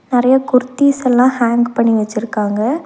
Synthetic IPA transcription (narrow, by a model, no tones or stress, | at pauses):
nɪɾɐjɐkʊɾɯt̪ːiːsɛlːãːhaːŋɡpɐɳːiʋɛt͡ʃːɪɾɯkːaːŋɡɐ